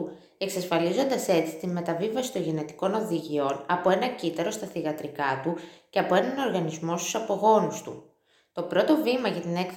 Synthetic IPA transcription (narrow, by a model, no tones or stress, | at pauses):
e̞ksɐsfɐlizo̞nd̪ɐse̞t͡si̥t̪inme̞t̪ɐvivɐsi̥t̪o̞ɲʝe̞ne̞t̪i̥ko̞no̞ðiʝio̞nɐpo̞e̞nɐcit̪ɐɾo̞st̪ɐθiɣɐt̪ɾikɐt̪uceɐpo̞e̞nɐno̞ɾɣɐnizmo̞st̪u̥sɐpo̞ɣo̞nust̪ṵ | t̪o̞pɾo̞t̪o̞vimɐʝɐt̪ine̞kθ